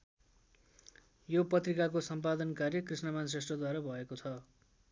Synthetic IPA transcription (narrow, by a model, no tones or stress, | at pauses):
jopʌt̪rikakosʌmpad̪ʌnkarjʌkrisnʌmans̬resʈrʌd̪waɾabʱʌekot͡sʰʌ